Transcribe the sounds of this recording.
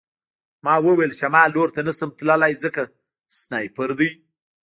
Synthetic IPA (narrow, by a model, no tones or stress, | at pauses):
mɑwəwelʃamɑloɾt̪anasəmt̪ləlajzəka | snajpəɾd̪əj